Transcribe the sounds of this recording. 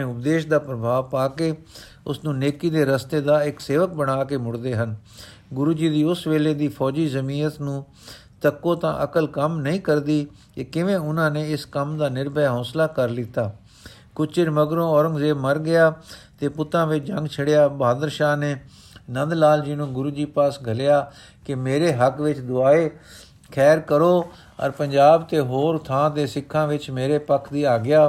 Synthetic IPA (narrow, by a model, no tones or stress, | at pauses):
ẽːʊp̚d̪eːʃd̪aːpɾəbʱaːʋpaːkeː | ʊsnũːneːkiːd̪eːɾəst̪eːd̪aːɪkseːʋək̚bəɽaːkeːmʊɽd̪eːɦən | ɡʊɾuːd͡ʒiːd̪iːʊsʋeːleːd̪iːpʰɔːd͡ʒiːzəmiːɾət̪nũː | t̪əkːõːt̪ã̰ːʔəkəlkəmnəĩːkəɾd̪iː | keːkɪʋẽːʊnãːneːɪskəmd̪aːnɪɾbəjɦɔːslaːkəɾlɪt̪ːaː | kʊt͡ʃɪɾməɡɾõːɔːɾə̃ŋɡzeːməɾɡɪjaːt̪eːpʊt̪ãːʋɪt͡ʃd͡ʒə̃ŋɡt͡ʃʰəɽɪjaːbaːd̪əɾʃaːneː | nə̃nd̪laːld͡ʒinũːɡʊɾuːd͡ʒiːpaːsɡʱəlɪjaː | kɪmeːɾeːɦəkʋɪt͡ʃd̪ʊaːeː | kʰɛːɾkəɾoː | ə̰ɾpəɲd͡ʒaːbt̪eːɦoːɾt̪ʰãːd̪eːsɪkʰːãːʋɪt͡ʃmeːɾeːpəkʰd̪iːaːɡɪjaː